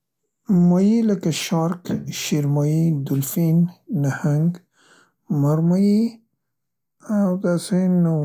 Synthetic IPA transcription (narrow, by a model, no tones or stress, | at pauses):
majiləkaʃɑɾkʃiɾmɑjid̪ʊlfinːahaŋɡ | maɾmaji | awd̪aseno